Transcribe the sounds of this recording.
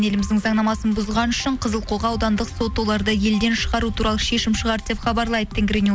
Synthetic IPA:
ne̞lɪmɪzd̪ɪŋzɑɴnɑmɑsənbʊzʁɑnʏʃəɴqʰəzəlˠqʰo̞ʁɑːwd̪ɑnd̪əqso̞t̪ːo̞lˠɑɾd̪əje̞ld̪e̞nʃəʁɑɾut̪ʰuɾɑlˠəʃe̞ʃɪmʃəʁɑɾd̪e̞pχɑbɑɾlˠɑjd̪ət̪ʰːeŋɡʲɾeni

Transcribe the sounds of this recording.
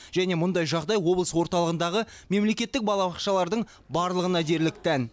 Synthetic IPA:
ʒ̥æne̞mʊnd̪ɑjʒɑʁd̪ɑjwo̞blˠəswo̞ɾt̪ɑlˠəʁənd̪ɑʁəme̞mle̞kʲe̞t̪ːɪk̚bɑlˠɑbɑqʃɑlˠɑɾd̪əɴ | bɑɾlˠəʁənɑd̪e̞ɾlɪk̚t̪ʰæn

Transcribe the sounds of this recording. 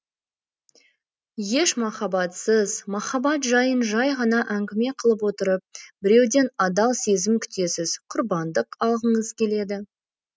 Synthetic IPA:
je̞ʃmɑχɑbɑt̪səzmɑχɑbɑt̪ʒɑjənʒɑjʁɑnɑʔæŋɡʲɪme̞qʰəlˠəp̬wo̞t̪əɾəp̚bɪɾe̞wd̪e̞nɑd̪ɑlˠse̞zɪmkʲʰʏ̥t̪e̞sɪzqʰʊɾbɑnd̪əqɑlˠʁəɴəzkʲʰe̞le̞d̪ɪ

